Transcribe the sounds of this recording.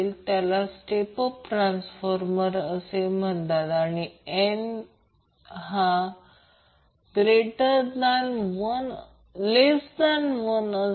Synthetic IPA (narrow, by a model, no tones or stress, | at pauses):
lt̪jalasʈepɔfʈɾãnsfɔɾməɾəsem̤əɳt̪at̪aɽ̃ien | ɦa | ɡ̥ɾeʈəɾd̪anʋən | lesd̪anʋənə